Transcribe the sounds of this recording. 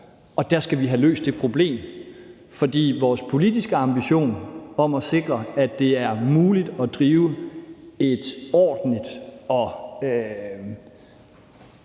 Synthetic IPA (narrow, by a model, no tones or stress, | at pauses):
ɒ̽d̥æɐsɡ̥æʋiɦælø̰ːsd̥e̝pʰʁo̝b̥le̝̰ːm | fɒ̽d̥ḭːʋɒːspʰo̝lid̥isɡ̥əɑ̈mb̥iɕo̝̰ːnɒ̽mɒ̽se̝ɡ̥ʁɐæd̥e̝æɐmuːlid̥ɒ̽d̥ʁiːʊə | e̝d̥ɒ̰ːd̥n̩lid̥ɒ̽ø